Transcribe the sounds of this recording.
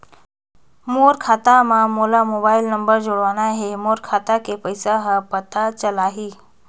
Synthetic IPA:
moːɾkʰaːt̪amãmoːlamoːbaːɪlnəmbəɾd͡ʒoɽʋaːnaɦemoːɾkʰaːt̪akepəɪsaɦəpət̪ʰat͡ɕəlaːɦiː

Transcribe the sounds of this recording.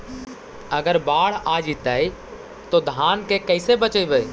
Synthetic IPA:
əɡəɾbaːɽ̤ad͡ʒit̪aj | t̪od̪ʱaːnkekəɪsebət͡ʃəibəj

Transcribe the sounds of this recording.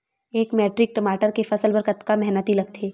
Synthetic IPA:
eːkmɛːʈɾɪk̚ʈɐmaːʈəɾkefɐsəlbɐɾkət̪kamɛɦnət̪ilɐɡ̚t̪ʰeː

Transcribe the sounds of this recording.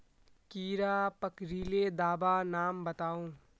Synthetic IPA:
kiːɾaːpɐkɾiːled̪aːbanaːmbɐt̪aːũː

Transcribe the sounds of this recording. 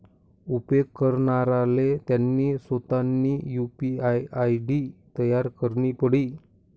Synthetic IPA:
upekːəɾɳaɾalet̪janːiːsot̪anːiːjupiajajɖit̪əjaɾkəɾɳipəɽi

